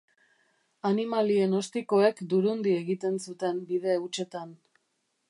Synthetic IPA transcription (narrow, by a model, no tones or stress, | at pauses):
animalieno̞st̪iko̞e̞kd̪uɾund̪ie̞ɣit̪e̞nsut̪e̞mbiðe̞ut͡ʃe̞t̪an